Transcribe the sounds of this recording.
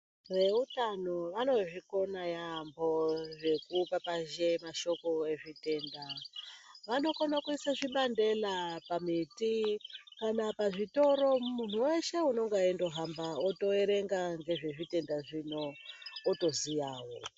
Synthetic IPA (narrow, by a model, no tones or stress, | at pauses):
ʋe̞utano̞ʋano̞ʐiko̞najambo̞ʐe̞kupapaʒe̞maʃo̞ko̞e̞ʐite̞ːnda | ʋano̞konakuisaʐiɓande̞lapamitikanapaʐito̞ɾo̞mun̤uwe̞ʃe̞uno̞ŋɡaendo̞ɦambaoto̞e̞ɾe̞ŋɡaŋɡe̞ʐe̞ʐite̞ndaʐino̞ːto̞zijaːwo̰